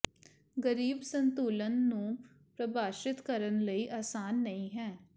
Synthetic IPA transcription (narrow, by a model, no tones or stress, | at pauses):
ɡəɾiːbsənt̪uːlənːũː | pɾəbaːʃɪt̪kəɾənləiːʔaːsaːnːəĩːɦɛː